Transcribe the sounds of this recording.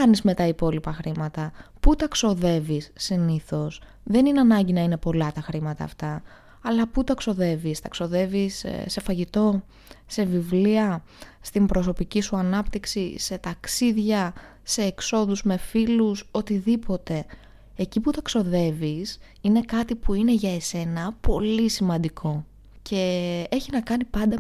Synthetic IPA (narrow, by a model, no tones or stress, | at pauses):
ɐnizme̞t̪ɐipo̞lipɐxɾimɐt̪ɐput̪ɐkso̞ðe̞visːiniθo̞s | ðe̞nineɐnɐɲɟinɐine̞po̞lɐt̪ɐxɾimɐt̪ɐ̰ːft̪ɐ | ɐlɐput̪ɐkso̞ðe̞vist̪ɐkso̞ðe̞visse̞fɐʝit̪o̞ | se̞vivliɐ | st̪imbɾo̞so̞picisuɐnɐpt̪iksise̞t̪ɐksiðʝɐ | se̞ːkso̞ðuzme̞filuso̞t̪iðipo̞t̪e̞ | eciput̪ɐkso̞ðe̞vis | ine̞kɐt̪ipuine̞ʝɐe̞se̞nɐpo̞lisimɐnd̪ikʰo̞ | cʰe̞e̞çinɐkɐnipɐnd̪ɐ